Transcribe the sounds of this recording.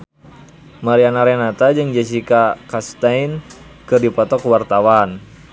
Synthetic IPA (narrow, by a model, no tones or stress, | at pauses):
maɾianaɾɛnat̪ad͡ʒɨŋd͡ʒɛs̬ikakast̪ain | kɨrdipɔt̪ɔkuwart̪awan